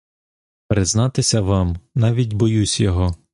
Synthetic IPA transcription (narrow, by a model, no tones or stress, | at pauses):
pɾɪznɑt̪ɪsʲɐʋɑmnɑʋʲitʲbɔjusʲjɔɦɔ